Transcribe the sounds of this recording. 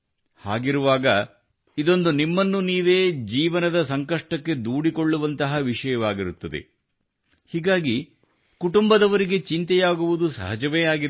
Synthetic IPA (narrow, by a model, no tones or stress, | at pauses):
haːɡiɾuʋaːɡɐ | id̪o̞nd̪unimːɐnːuniːʋeːd͡ʒiːʋɐnɐd̪ɐsɐŋkɐʂʈɐkːe̞d̪uːɽiko̞ɭːuʋɐnt̪ɐɦɐʋiʂɐjɐʋaːɡiɾut̪ːɐd̪ḛ | hiːɡaːɡi | kuʈumbɐd̪ɐʋɐɾiɡe̞t͡ʃint̪ɛjaːɡuʋud̪usɐ̰ɦɐd͡ʒɐʋeːaːɡi